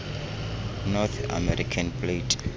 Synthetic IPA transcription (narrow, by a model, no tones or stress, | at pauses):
nɔt̪a̰mɛɾikʰanpʰletʰʼ